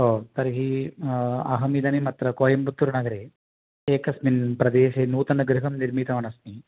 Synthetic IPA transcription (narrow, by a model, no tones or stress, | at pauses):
ɦoːt̪ɐɾiɦi | ɐ̰ɦɐmid̪ɐnimɐt̪ɾɐkoːjɐmput̪ːuɾunɐɡɐɾeː | eːkɐsminpɾɐd̪eːʃeːnuːt̪ɐnɐɡɾɪɦɐmniɾmit̪ɐʋɐnɐsmi